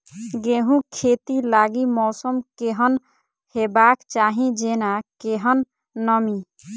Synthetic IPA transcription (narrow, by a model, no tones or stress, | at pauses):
ɡeɦũkʰet̪ilaɡimɔːsəmkeɦən | hebakt͡ʃaɦĩd͡ʒenakeɦənː | əmi